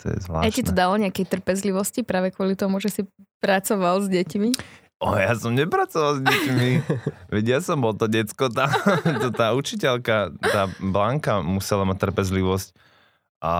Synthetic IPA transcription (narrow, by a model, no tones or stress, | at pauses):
t̪ʰɔ̰jɛ̰zʋla̰acit̪ɔd̪alɔɲɛakɛjt̪r̩pɛzliʋɔscipɾaːʋɛkʊɔlit̪ɔmuʒɛsipɾat͡sɔʋalzɟɛcmi | ʔɔ̰jasɔmɲɛpɾat͡sɔʋalˠzɟɛcmiʋɛɟɪjasɔmbɔlt̪ɔɟɛt͡skɔt̪at̪ɔt̪aːut͡ʃicɛʎkat̪aːblaŋkamusɛlamac̚t̪r̩pɛzliʋɔsc | ʔa̰